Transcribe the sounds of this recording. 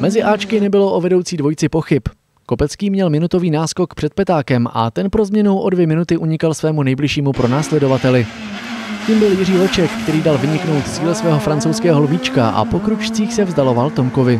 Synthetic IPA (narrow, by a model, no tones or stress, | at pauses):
mɛzɪʔaːt͡ʃkɪnɛbɪlo̞ʔovɛdo̞wt͡siːdvo̞jt͡sɪpo̞xɪp | ko̞pɛt͡skiːmɲɛlmɪnut̪o̞viːnaːsko̞kpr̥ɛt̪̚pɛt̪aːkɛmʔa̰t̪ɛnpɾo̞zmɲɛnowʔo̞dvjɛmɪnut̪ɪʔuɲɪkalsvɛːmunɛjblɪʃiːmupɾo̞naːslɛdo̞vat̪ɛlɪ | ciːmbɪljɪriːlo̞t͡ʃɛkːt̪ɛɾiːdalvɪɲɪkno̞wt̪t͡siːlɛsvɛːɦo̞fɾant͡sowskɛːɦo̞lvit͡ʃkaʔa̰po̞kɾut͡ʃt͡siːxsɛvzdalo̞valt̪o̞mkovɪ